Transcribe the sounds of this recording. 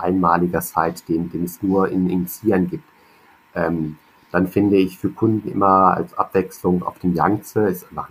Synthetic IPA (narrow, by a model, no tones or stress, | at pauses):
ʔaɪnmaːlɪɡɐt͡saɪtd̥eːnd̥eːnɛsnuːɐʔɪ̰nɪnt͡siːɐnɡiːp̚t | ʔɛːm | d̥anfɪndəɪçfyːɐkʰʊndn̩ʔɪ̰mɐa̰lsʔa̰pv̥ɛkslʊŋʔa̰ʊfd̥eːmjaŋt͡səɛsva